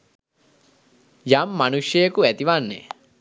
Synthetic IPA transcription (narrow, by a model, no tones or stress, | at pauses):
jamːanuʃjəjəkuæt̪iʋanːḛ